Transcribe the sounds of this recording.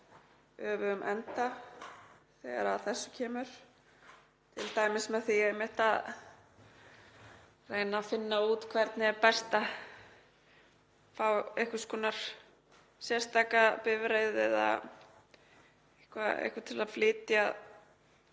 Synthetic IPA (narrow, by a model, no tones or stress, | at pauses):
œːvʏʏmʔɛnt̪a | θɛɣaɾaðθɛsːʏ̥cʰɛːmʏɾ̥ | t̪ʰɪlt̪aːjmɪsmɛðθiejmɪht̪að | reːjnafɪnːauːt̪kʰvɛɾt̪nɪɛɾpɛst̪a | fawehkvḁskɔːnaɾ̥ | sjɛr̥st̪aːkapɪvɾeːjðɛða̰ | ehkvaḛhkvat̪ʰɪlaflɪːt̪jað